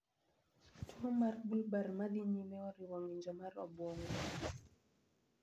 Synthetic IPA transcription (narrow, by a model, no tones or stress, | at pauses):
tʰɔmaɾbulbaɾmad̪iɲimɛɔɾiwɔŋiɲd͡ʒɔmaɾɔ̰bɔŋɔ